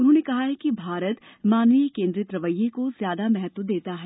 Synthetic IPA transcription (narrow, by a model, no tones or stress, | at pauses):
ʊnɦõːnekɐɦaɦɛkibʱaːɾət̪ | maːnnijəkẽːnd̪ɾiət̪ɾɐʋəjːekozjaːd̪amɛɦɛt̪wəd̪eːt̪aɦɛː